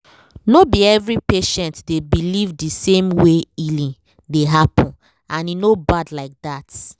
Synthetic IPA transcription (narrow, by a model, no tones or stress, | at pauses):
nobiɛvɾipeʃɛ̃ntdebilivdisemweilĩ | deɦapɔ̃n | ãninobadlaɪk̚dat